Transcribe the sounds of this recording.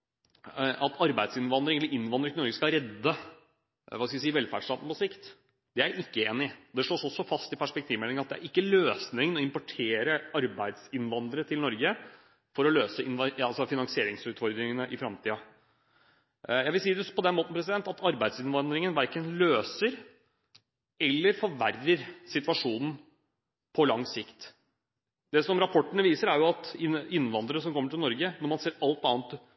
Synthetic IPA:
ʔɑt̪ʰɑɾbæɪd̪sɪnʋɑnd̪ɾɪŋɛlːəʔɪnːʋɑnd̪ɾəɪɔɾɡəskɑɾɛd̪ːə | ʋɑːskɑʋɪsiːʋɛlfæɖʂʈ̪ɑn̩pɔsɪkt̪ | d̪̥ɛæɾʔɪkːəeːnɪd̪ɛʂɭoːsɔsːɔfɑst̪ɪpʰæʂpɛkt̪ʰiːʋmɛlɪŋəɑt̪̚d̪ɛæ̰ɾɪkːəløːsnɪŋnɔɪmpɔʈʰeːɾəɑɾbæɪd̪sɪnʋɑnd̪əɾət̪ʰɪlnɔɾɡə | fɔɾɔløːsəɪnʋɑlsɔfɪnɑŋsɪeːɾɪŋsʉːt̪fɔɾd̪ɾɪŋənəʔɪfɾɑmt̪ʰiːɑ | jæɪʋɪlsiːd̪əpʰɔd̪ɛnmoːt̪n̩pʰɾɛs̬ɪd̪ɛnt̪ɑt̪ʰɑɾbæɪsɪnʋɑnd̪ɾɪŋənʋæɾkənløːsəɾ | ɛlːəɾfɔɾʋærːəɾsɪt̪ʋɑʂuːnn̩ | pʰɔlɑŋsɪkt̪ | d̪ɛsɔmɾɑpʰɔʈːəɳəʋiːsəɾæɾjʊɑt̪ɪnɪnːʋɑnd̪əɾəsɔmkʰɔmːəʈʰɪlnɔɾɡənɛmɑnseːɾɑlt̪ɑːnt̪

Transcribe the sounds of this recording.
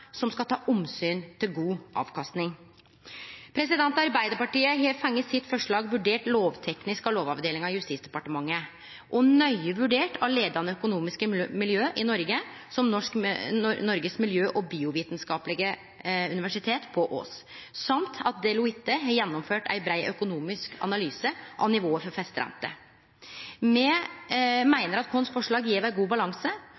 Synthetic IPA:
sɔmskɑt̪ʰɑːʔʊmsyːnt̪ʰɪlɡuːʔɑ̰ːʋkʰɑst̪nɪŋ | pʰɾɛsɪd̪ɛnt̪ɑɑɾbæɪd̪əɾpɑʈiːəɦefɛŋːəsɪt̪fɔʂɭɑːɡʋʉɖeːʈloːʋt̪ʰɛknɪskɑloːʋɑʋd̪eːlɪŋɑjʉst̪iːsd̪ɛpɑʈəmɑŋːə | ʔɔnœʏəʋʉɖeːʈʰɑʋleːd̪ɑnəœkʊnuːmɪskəmɪljøːʔɪnɔɾɡə | sɔmnɔʂknɔnɔɾɡəsmɪljøːʔɔbiːʊʋiːt̪nskɑːplɪɡə | ʉnɪʋæʂɪt̪ʰeːt̪pʰɔʔo̰ːs | sɑmt̪ʰɑt̪̚d̪ɛlʊɪt̪ːəɦɑɾjɛnːɔmføːʈæ̰ɪbɾæɪʔœkʊnuːmɪskʰɑ̰nɑlyːsəʔɑ̰ʋnɪʋoːəfɔɾfɛst̪ɾæ̰nt̪ə̰ | mɛ | mæɪnəɾɑt̪kʰɔnsfɔʂɭɑːɡjiːʋæɪɡuːbɑlɑŋsə

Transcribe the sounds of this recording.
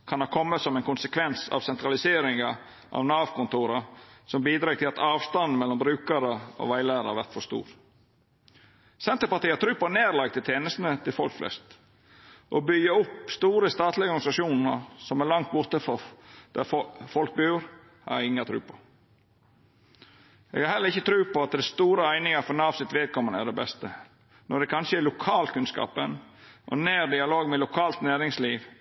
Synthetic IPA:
kʰɑnɑkʰɔmːəsɔmɛnkʰʊnsəkʰʋɛnsɑ̰ʋsɛnt̪ɾɑlɪseːɾɪŋɑ | ʔɑ̰ʋnɑːʋkʰʊnt̪uːɾɑsɔmbiːd̪ɾɑːt̪ʰɪlɑt̪ɑːʋst̪ɑnmɛlːɔmbɾʉːkəɾəo̰ʋæɪlæːɾɑʋæɾt̪fɔst̪ṵːɾ | sɛnt̪əɾpɑt̪iːəɑt̪ʰɾʉːpəneːɾlɑɡ̚t̪ʰɪlt̪ʰeːnəst̪nət̪ʰɪlfɔ̰lkflɛ̰st̪ | ʔobʏɡəʊpst̪uːɾəst̪ɑːt̪ʰlɪɔɔɾɡnɪsɑʃuːnəsɔmælɑŋkt̪̚bʊɾt̪əfɔd̪̥æ̰fɔlk̚bʉːɾ | hɑ̰ɾɪŋːɑt̪ʰɾʉ̰ːpʰɔ̥ | ḛɡhɑɾhɛləɾɪçːət̪ʰɾʉːpɔɑt̪̚d̪ɛst̪uːɾəæɪnɪŋɑfɔnɑːʋsɪt̪ʋeːd̪̚kʰɔmːənæ̰ɖ̪ɛbɛst̪ə | nɔɖ̪ɛkʰɑnʃəælʊkʰɑːlkʰʉnskɑ̰ːpənʔɔ̰neːɾd̪ɪɑloːɡmɛlʊkʰɑːlt̪næːɾɪŋsliːʋ

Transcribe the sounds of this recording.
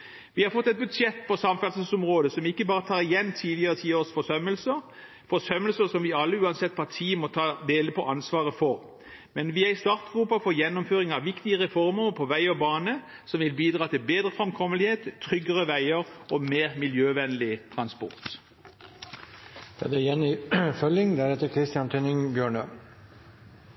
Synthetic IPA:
ʋɪhɑɾfɔt̪ːɛt̪̚bʉd̪sɛt̪ːpʰɔsɑmfɛls̩sɔmʁoːd̪əsɔmɪkːəbɑːʁət̪ʰɑːʁɪjɛnːt̪ʰiːlɪəʁət̪ʰiːoːʁsfɔsœməlsə | fɔsœmːəlsəsɔmʋɪɑlːəʉːɑnsɛt̪ːpʰɑt̪ʰiːmɔt̪ʰɑːd̪eːləpʰɔʔɑnsʋɑːʁəfɔʁ | mɛnʋiæɪst̪ɑʁt̪ʁuːpɑfɔjɛnːʊmføːʁɪŋɑʋɪkt̪ɪəʁɛfɔʁməpʰɔʋæɪɔbɑːnə | sɔmʋɪlbiːd̪ʁɑːt̪ʰɪlbeːd̪ʁəfʁɛmkʰɔməlɪheːt̪ʰːʁʏɡəʁəʋæɪəʁʔɔmeːʁmɪljøːʋɛnlɪt̪ʰʁɑnspɔ̰ʁt̪ | d̪ɑ̰d̪ɛjɛnːɪfœlɪŋd̪æɾɛt̪ːəkʰɾɪst̪ɪɑnt̪ʰʏnɪŋbjøːɳə

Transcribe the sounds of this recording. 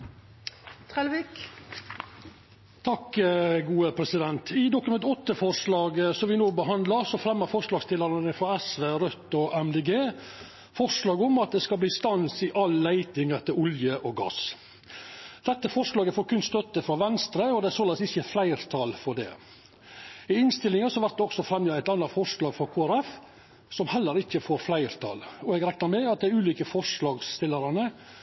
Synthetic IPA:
t̪ʰɾɛlʋik | t̪ʰɑkɡuːəpʰɾɛsɪd̪ɛnt̪ʰɪd̪ʊkʉmɛnt̪ɔt̪ːəfɔɾʂlɑːɡəsɔmʋɪnoːbəɦɑnd̪lɑɾsɔfɾɛmːəɾfɔɾʂlɑːɡst̪ʰɪlɑɾənəfɾɑæsʋeːɾœt̪ːɔʔɛmd̪eːɡeː | fɔɾʂlɑːɡɔmɑt̪̚d̪ɛskɑlbliːst̪ɑnsɪʔɑlːəlæɪt̪ɪŋəɾt̪ɪlʊljəʔoːɡɑ̰s | d̪̥ɛt̪ːəfɔʂlɑːɡəfoːɾkʰʉnst̪œt̪ːəfɾɑʋɛnst̪ɾəɔd̪ɛæɾsoːlɛsɪçəflæɪɾt̪ʰɑlfɔɖ̪ɛ̰ | ɪɪnst̪ɪlɪŋəsɔhɑʋæɾt̪̚d̪ɛɔksɔfɾɛmjəæɪt̪ɑnːɑfɔʂlɑːɡfɔɾkʰoːæɾɛf | sɔmhɛlːəɾɪçːəfoːɾflæɪɾt̪ʰɑ̰lɔɛɡɾɛknɑɾmɛɑt̪̚d̪ɛæɾʉːliːkəfɔʂlɑːɡsst̪ɪlːəɾɑnə

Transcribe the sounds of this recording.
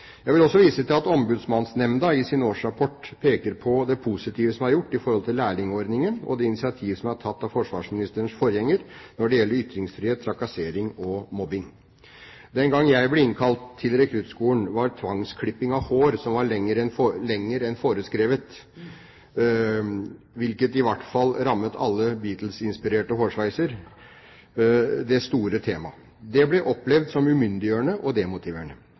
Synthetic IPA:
jæɪʋɪlɔsːɔʋiːsət̪ʰɪlɑt̪ɔmbʉːd̪smɑnsnɛmnd̪ɑɪsɪnoːʂɾɑpʰɔʈːpʰeːkəɾpʰɔd̪ɛpʰusɪt̪ʰiːʋəsɔmæɾjʊʈːɪfɔɾhɔlt̪ɪlːæːɭɪŋəɔɾd̪nɪŋənɔ̰d̪ɛɪnɪsɪɑt̪ʰiːʋsɔmæʈʰɑt̪ːɑʋfɔʂʋɑːʂmɪnɪst̪əəɳsfɔɾjɛŋːəɾnɔɖɛjɛlːəɾʏt̪ːɾɪŋsfɾiheːt̪ʰːɾɑkɑseːɾɪŋɔmɔbɪŋ | d̪ɛnɡɑŋːjæɪblɛɪnkʰɑlt̪ʰːɪlɾɛkʰɾʉt̪skuːənʋɑɾt̪ʰʋɑŋskʰɽɪpːɪŋɑʋhoːɾsɔmʋɑɾɭɛŋːəɾɛnfolɛŋːəɾɛnfoːɾəskɾeːʋət̪ | ʋɪlkət̪ɪʋæʈfɑlːɾɑmːət̪ʰɑ̰lːəbiːt̪l̩sɪnspɪɾeːʈəɦoːʂʋæɪsəɾ | d̪ɛst̪uːɾət̪ʰeːmɑ | d̪ɛblɛʔɔplɛʋd̪sɔmʉmʏnd̪ɪjøːəɳəʔɔd̪ɛmʊt̪ʰɪʋeːɳə

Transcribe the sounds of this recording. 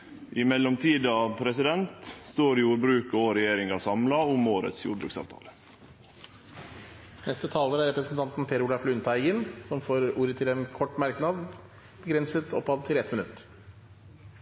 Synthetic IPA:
ʔɪmɛlːɔmt̪ʰiːd̪ɑʋpʰɾɛsɪd̪ɛnt̪st̪oːɾjuːɾbɾʉːkoɾɛjeːɾɪŋɑsɑmlɑʊmːoːɾə̰t̪sjṵːɾbɾʉ̰ːksɑ̰ːʋt̪ʰɑ̰ːlə | nɛst̪ət̪ʰɑːləɾæɾɛpɾəsn̩t̪ʰɑnt̪n̩pʰeːɾʊlɑflʉʉnt̪ʰæɪɡənsɔmfoːɾuːɾət̪ʰɪlɛnkʰɔʈːmæɾknɑd̪ | b̥əɡɾɛnsət̪ʰɔpːɑʋt̪ʰɪlɛt̪mɪnʉt̪ːəɾ

